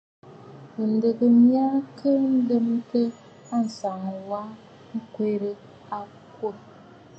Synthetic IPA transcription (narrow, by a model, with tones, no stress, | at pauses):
n̩˨dɨ˨ɡɨ˨mi˦a˦kʰə˦n̩˦dɨ˦m˦tɨ˦ | a˦n̩˨sa˨ŋ˨wa˦ | ŋ̩˦kʷe˦ɾɨ˦ | a˦ | ko˦˨